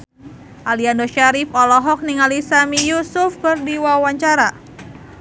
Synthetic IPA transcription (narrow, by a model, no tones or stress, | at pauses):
ʔaliandɔʃaɾifɔlɔɦɔk̚niŋalisamijusʊfkɨrdiwawaɲt͡ʃaɾa